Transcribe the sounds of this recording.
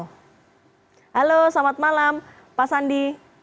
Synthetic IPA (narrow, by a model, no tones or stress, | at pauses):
halosamat̪̚malam | pasandi